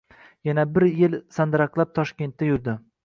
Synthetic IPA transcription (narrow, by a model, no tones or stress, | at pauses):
janabɪɾjɪlsand̪ɾaqlˠap̚t̪ʰɒʃkʲe̞nt̪ːajʊɾd̪ɪ